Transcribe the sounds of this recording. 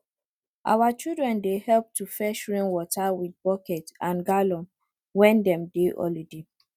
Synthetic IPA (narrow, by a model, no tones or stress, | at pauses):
ʔa̰wat͡ʃidɹɛ̃ndehɛlp̚tufɛʃɹĩŋwɔtawid̚bɔkɛtãnɡalɔ̃m | wɛ̃ndɛ̃mdeʔɔ̰lide